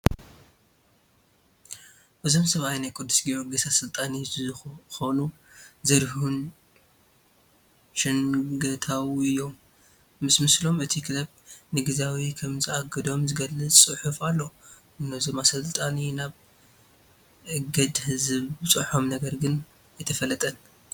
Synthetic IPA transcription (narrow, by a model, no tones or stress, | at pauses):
ʔɨzo̞msɐβajnajkʼud̪ːusɡioɡɐsasɨlt̪ʼani | xonuzɐɾɦun | ʃɪŋɡɐt̪ʰawiɨjːo̞mː | ɨsmɨslo̞mɨt̪ʰikʰɨlɐb̚nɨɡɨzawikʰɐmzɨaɡɐd̪o̞mzɨɡɐlːɨɨħufalːo̞ | nɨzomasɨlt̪ʼaninaβ | ʕɨɡɐd̪hɨzɨβbɨt͡sʼɨħo̞mnɐɡɐɾɡɨn | ajt̪ʰɐfɐlːɐt̪ʼɐn